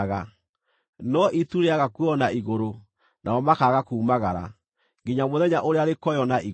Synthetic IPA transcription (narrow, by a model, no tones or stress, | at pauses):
ɣa | nɔʔituɾeaɣakwɔnaiɣoɾo | nʔaɔmakaːɣakuːmaɣaɾa̰ | ŋɡiɲamoðɛɲaʔoɾeaɾekɔjɔnai